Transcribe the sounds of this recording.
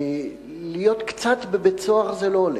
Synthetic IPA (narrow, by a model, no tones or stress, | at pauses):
lijo̞t̪kt͡sat̪bebet͡soaʁzelo̞ːle